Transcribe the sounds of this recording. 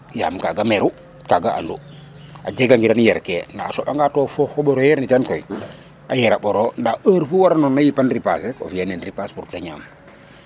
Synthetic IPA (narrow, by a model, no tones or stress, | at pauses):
ja̰ːmkaɡamɛɾu | kaɡaʔa̰ndu | ad͡ʒeɡaŋɡiɾanjɛɾkenda̰ːsɔɓaŋɡatɔːfɔhoɓɔɾojɛɾnit͡ʃankoj | ʔajɛɾaɓɔɾondaəɾfuwaɾanɔnːajipanɾipa̰seko̰fjanenɾipaspuɾtaɲa̰ːm